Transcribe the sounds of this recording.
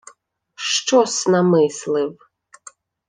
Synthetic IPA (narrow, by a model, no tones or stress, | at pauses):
ʃt͡ʃɔsnɐmɪslˠɪw